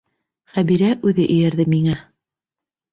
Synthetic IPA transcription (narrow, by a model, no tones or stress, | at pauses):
χæβiɾæʔʉðɘʔɘ̆jæɾðɘmiŋæ